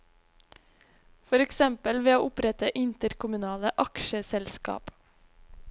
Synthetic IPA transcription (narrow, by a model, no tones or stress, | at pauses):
fɔɾɛksɛmpəlʋeːoːʔʊpɾɛt̪əʔɪnt̪əɾkʰʊmʉnɑːləʔɑkʃəsɛlskɑ̰ːp